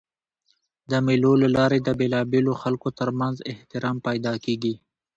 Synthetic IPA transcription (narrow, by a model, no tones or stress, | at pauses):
d̪əmilolalɑːɾed̪əbelɑbeloxalkot̪əɾmanzɪht̪ɪɾɑːmpajd̪ɑkeːɡi